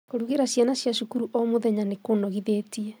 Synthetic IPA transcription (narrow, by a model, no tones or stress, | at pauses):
koɾuɣeɾaɕjanaɕjaʃukuɾuʔɔmoðɛɲanekonɔɣiðeːtiɛ